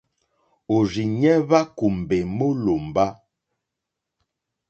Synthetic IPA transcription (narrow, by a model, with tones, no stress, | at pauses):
o˨ɾi˨ɲɛ˦βa˦ku˨m˨be˨mo˦lo˨m˨ba˦